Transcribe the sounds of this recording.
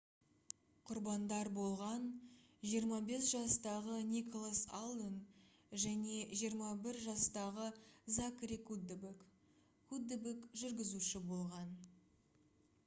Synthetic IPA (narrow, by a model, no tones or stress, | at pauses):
qʰʊɾbɑnd̪ɑɾbo̞lˠʁɑnʒijəɾmɑbe̞sʒɑst̪ɑʁənʲikolˠasalˠən | ʒæne̞ʒijəɾmɑbɪɾʒɑst̪ɑʁəzakɾikud̪bek | kʰud̪ːbekʒʏɾɡʲɪzuʃɪbo̞lˠʁɑn